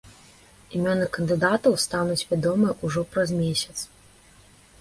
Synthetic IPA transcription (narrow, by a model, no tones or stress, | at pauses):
imʲɔnɨkɐnd̪ɨd̪at̪ɐwst̪anut͡sʲvʲad̪ɔmɨɛʔuʐɔpɾɐzmʲeɛsʲɐ̥t̪s